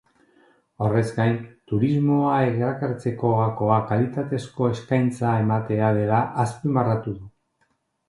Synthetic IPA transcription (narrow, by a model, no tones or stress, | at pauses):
o̞re̞zɡajnt̪uɾizmo̞aeɣeɾakaɾt͡se̞ko̞ɣako̞akalit̪at̪e̞sko̞e̞skajnt͡sae̞mat̪e̞að̞e̞laʔaspimarat̪uðu